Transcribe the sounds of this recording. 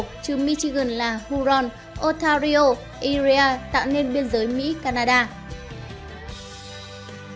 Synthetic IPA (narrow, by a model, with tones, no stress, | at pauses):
k̚t͡ɕɨ˨˧˦mi˧t͡ɕi˧ɣə˨˩nlaː˨˩hu˧zɔ˧n | ʔo˧t̪ʰaː˧ɾi˧o˧ | ʔi˧zi˧aː˧t̪a̰ː˧˨wne˧nɓi˧ənzəː˨˦jmḭ˧˥kaː˧naː˧ɗaː˧